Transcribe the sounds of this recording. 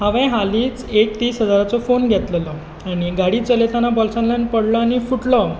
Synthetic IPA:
ɦaʋẽɦaliːt͡sek̚t̪iːsɦəd͡zaɾat͡sɔfonɡʱet̪ləlɔ | aɽ̃iɡaɽiːt͡səlet̪anabɔlsãnlanpəɽlɔaɽ̃ifuʈlɔ

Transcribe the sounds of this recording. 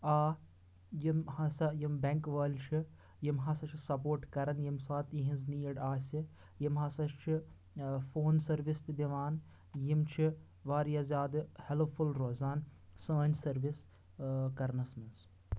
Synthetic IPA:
aː | jimhɐsɐjimbeŋkʋɐːlʲt͡ʃʰi | jimɦɐsɐt͡ʃʰisɐpoːɾʈkɐɾɐnjimsaːt̪ĩɦĩnzniːɐɖaːsʲi | jimɦɐsɐʃt͡ʃʰi | foːnsɐɾʋist̪ɨd̪iʋaːn | jimt͡ʃʰi | ʋaːɾjɐzʲjaːd̪ɨhelpfʰulɾoːzaːnsə̃ːnʲsɐɾʋis | kɐɾnɐsmɐnz

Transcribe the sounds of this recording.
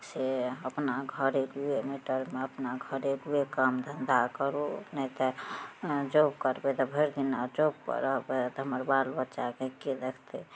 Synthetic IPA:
seəpnaɡʱəɾeluemiʈəɾmeəpnaɡʱəɾeluekamd̪ʱənd̪ʱakəɾonɛt̪ə | d͡ʒobkəɾbet̪ɔbʱeɾd̪inad͡ʒob̚pə̰ɾəɦbet̪ɔɦəməɾbalbətːʃakeked̪ekʰt̪e

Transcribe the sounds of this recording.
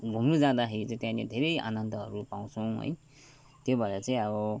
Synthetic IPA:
bʱumnud͡zãd̪aɦeit͡sãĩt̪jãled̪ʱeɾʌja̰nʌnt̪ʌɦʌɾupaw̃t͡sʰʌw̃ɦʌ̰j | t̪jobʱʌeʌt͡sãĩʌbʌ

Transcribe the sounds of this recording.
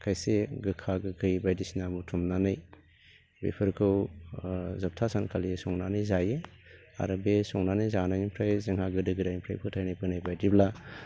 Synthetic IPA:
kʰajseɡɯkʰaɡɯɡɯjbajdisinabutʰumnanɯj | bḛpʰɯɾkʰɯw | zɐp̚tʰasankʰalisɔŋnanɯjzaje | a̰ɾɯbesɔŋnanɯjzanajmpʰɾajzɐŋhaɡɯdɯɡɯdajmpʰɾa̰jpʰɯtʰajnabɯnajbajdibla

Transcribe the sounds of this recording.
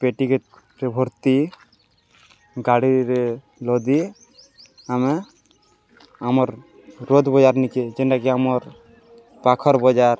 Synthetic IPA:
peʈike | ɾebʱɔɾt̪i | ɡaɽiɾe | lɔd̪i | ame | amɔɾ | ɾod̪ʱbɔd͡ʒaɾniked͡ʒɛnʈakiamɔɾ | pakʰɔɾbɔd͡ʒaɾ

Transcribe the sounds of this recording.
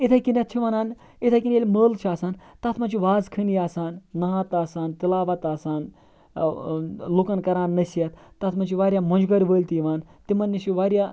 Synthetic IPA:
it̪ʰakinʲɐt̪t͡ʃʰiʋɐnaːn | it̪ʰakinʲjelʲməːlt͡ʃʰaːsaːnt̪ɐt̪ʰmɐnʲt͡ʃʰiʋaːzkʰɨnjaːsaːnːɐɦat̪aːsaːnt̪ilaːʋɐt̪aːsaːn | lokɐnkɐɾaːnːɐsijɐt̪t̪ːɐt̪ʰmɐnt͡ʃʰiʋaːɾʲjamɐnd͡ʒɡɐɾʲʋəːlʲt̪iʋaːnt̪imɐnːit͡ʃʰiʋaːɾʲja

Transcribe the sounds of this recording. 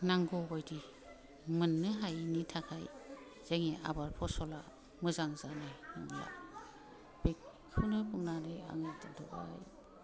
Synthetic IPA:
naŋɡɔɡɔjdi | mɯnːɯɦajnitʰakʰaj | z̥eŋiʔa̰baɾpʰɔsɔla | mɯzaŋzanajja̰ | bik̚ | kʰːunɯpuŋnanɯja̰ŋetdɔʔa̰j

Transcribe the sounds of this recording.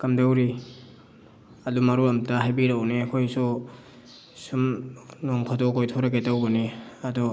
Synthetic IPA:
kɐmdawɾi | ɐdumɐɾuɾɐmtaɦajbiɾawniɐkʰojsu | sumnoŋpʰadokojtʰoɾɐɡetawbɐniɐdɔ

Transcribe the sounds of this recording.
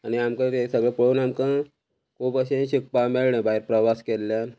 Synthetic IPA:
aniamkə̃t̪esəɡɭəpəɭuːnamkə̃ | kupəɕẽɕik̚pameɭɳə̃baɦiɾpɾəʋaskelːjan

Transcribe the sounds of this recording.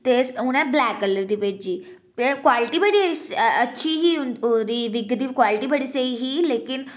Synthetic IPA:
t̪esɦuɽ̃ãblækələd̪iped͡ʑiː | pekʋaliʈibəɽiətːɕʰiɦiːuoɾiʋiɡd̪ikʋaliʈibəɽiseiɦiːlekin

